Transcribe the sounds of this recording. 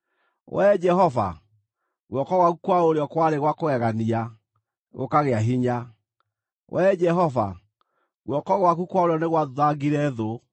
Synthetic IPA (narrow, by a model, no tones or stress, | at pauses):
wʔɛd͡ʒɛhɔva̰ | ɣwɔkɔɣwaɣukwaoɾeɔkwaɾeɣwakoɣɛɣania | ɣo̰kaɣeaɦiɲa | wʔɛd͡ʒɛɦɔva̰ | ɣwɔkɔɣwakukwaoɾeɔneɣwaððaɣiɾɛðo